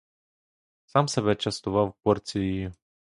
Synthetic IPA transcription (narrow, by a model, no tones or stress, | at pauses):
sɑmsebɛt͡ʃɐst̪ʊʋɑwpɔrt͡sʲijʊjʊ